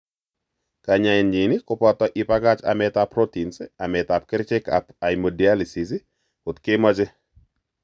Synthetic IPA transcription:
ka˨ɲa˨ɪ˨nɲi˨nɪ˦kʊ˦pɔ˦t̪ɔ˨ʔɪ˨pa˦ka˦t͡ʃa̰˨mɛt̪a˨pɾo˦ti˨nsa˨mɛt̪a˨p̚kɪ˦ɾt͡ʃɪ˦ka̰˨pa˨jmo˨dia˦lisi˨si˦ | o˨t̪kɪmɔ˦t͡ʃɪ˦

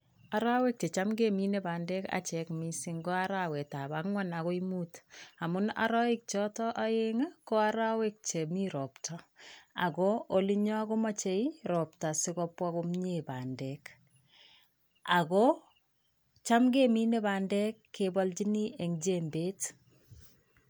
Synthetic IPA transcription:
a˨ɾa˦we˦k̚t͡ʃe˨t͡ʃa˦mɡemi˦neba˨ndɛ˦ka̰˨t͡ʃɛkmi˦siŋɡo˦a˦ɾawe˨ta˨ba˦kŋwa˦na˨ko˦imuːta˨mʊ˦na̰ɾɔ˦ɪk̚t͡ʃɔ˦tɔ˦ʔa˦jeŋa˦ko˦a˦ɾa˦wek̚t͡ʃe˨mi˦ɾɔ˨ptʰɔ˨a̰˨kɔoli˦ɲɔ˦ko˦ma˦t͡ʃe˦iɾɔp̚ta˨sɪkɔpwakomɲebaː˨ndɛk | a˨kɔ | t͡ʃa˦mɡe˦mi˦ne˦baː˨ndɛ˦kʰːebɔlt͡ʃi˦ni˦ʔe˨ŋd͡ʒembeː˦t

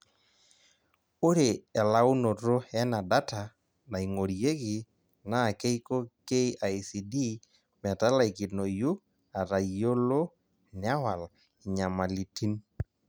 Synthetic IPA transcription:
o˦ɾe˨ɛ˨la˦wno˨ɾo˦ɛ˦na˨da˦ta˨ | na˨i˨ŋo˨ɾije˦kɪ˦˨ | na˦˨ke˦jko˦ke˦ia˨jsi˨di˦ | mɛ˨ta˦la˦˨i˨kɪ˨no˨ju˦ | a˨ɾa˨jo˦lo˦ | nɪ˨a˦wa˨l | ɪ˨ɲa˨ma˨li˨ti˦n

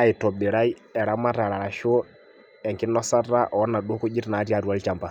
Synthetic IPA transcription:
a˨i˨tɔ˨bɪ˨ɾa˦i˦ɛ˨ɾa˦ma˦ta˨ɾa˨ɾa˨ʃo˦ | ɛ˨ŋkɪ˦nɔ˦sa˦ta˦ʔɔ˨ɔ˦na˨ɗo˦ku˦d͡ʒɪ˦tna˨˦ti˦a˨ɾu˦a˦li˦t͡ʃa˨mpa˨

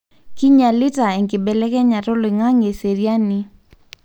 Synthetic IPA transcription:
ki˦ɲa˨lɪ˦ta˨ɛ˨ŋkɪ˨bɛ˨lɛ˦kɛ˦ɲa˨tʊ˦lɪ˨ŋa˦ŋe˨se˨ɾja˦ni˦

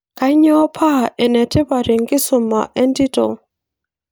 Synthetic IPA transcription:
ka˨ɪ˦ɲɔ˦pʰa˦˨ʔɛ˨nɛ˨tʰɛ˦ba˨ɾe˨ŋɡɪ˦sʊ˨ma̰˨ʔɛ˦ndi˦tɔ̰˨

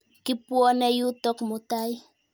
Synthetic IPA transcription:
kipuɔ˦ne˦ju˦to˦kmʊtaj

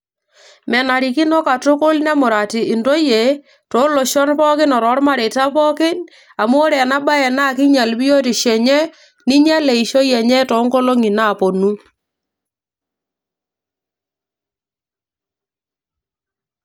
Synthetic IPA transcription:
mɛ˨na˨ɾi˨ki˦nɔ˦ka˨to˦kʊ˦lnɛ˦mʊ˨ɾa˨ti˨ʔɪ˨ndo˦je˨ | to˨˦lo˨ʃɔ˦npɔ˦kɪ˦nɔ˨ɾɔ˨˦ɾma˦ɾe˨ta˦pɔ˦kɪ˦ɲ | a˨mwo˦ɾɛ˨na˦ɓa˦ɛ˨na˦˨kɪ˦ɲa˨lbi˦jo˦ti˨ʃɛ˨ɲɛ˦ | ni˦ɲɛ˦lɛ˨i˨ʃo˦jɛ˨ɲɛ˦tɔ˨˦ŋko˦lo˦ŋi˨naː˦˨po˨nu˦

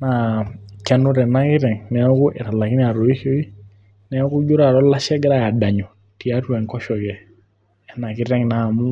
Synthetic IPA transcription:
na˨kɛ˦nu˦ɾɛ˨na˦kɪ˦ɾɛ˨ŋnɛ˨˦ku˦ʔɛ˨ɾa˨la˨ki˦n˦a˨ɾɔ˨i˦ʃɔ˦i˦ | nɛ˦ku˦d͡ʒu˦ɾa˨ɾɔ˦la˦ʃɛ˦ɡɛ˦ɾa˦ja˨da˨ɲɔ˨ | ti˨a˦tu˦ɛ˨ŋkɔ˦ʃɔ˨kɛ˨ | ɛ˨na˨kɪ˦ɾɛ˦ŋna˦˨mu˦

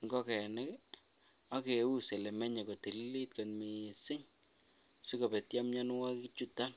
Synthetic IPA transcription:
ŋɡɔ˦kɛ˨a˨nɪ˦k | a˦ke˨˦u˦se˨lɛ˨mɛ˦ɲɛ˨ko˨te˨li˦le˦tka˨nmi˨sɪ˦ŋ | sʊ˦kɔ˨bɛ˨tja˦mɲa˦n˦wa˦ki˦t͡ʃu˦ta˦n

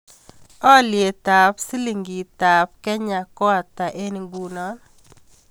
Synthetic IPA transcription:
ɔ˦lje˨ta˨psi˦li˨ŋɡi˨ta˨p̚kɛ˦ɲa˨kɔ˦a˨ta˨ʔe˦n˨ɡu˨nɔ˦n

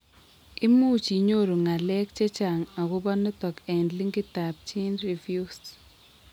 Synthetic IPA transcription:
ɪ˦mu˦t͡ʃi˨˦ɲo˦ɾo˨ŋa˨lɛ˦kt͡ʃɛ˦t͡ʃa˨ŋa˨ɣʊ˦bɔ˦nɔ˦tɔ˨kɛ˨ndli˦ŋɡɪ˦ta˨p̚t͡ʃi˦nɾi˨vju˦s

